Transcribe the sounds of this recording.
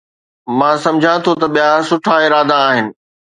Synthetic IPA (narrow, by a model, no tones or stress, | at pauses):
mãːsɐ̃md͡ʑʱãt̪ʰot̪ɐɓijasʊʈʰaɪɾaːd̪aːɦɪnɪ̆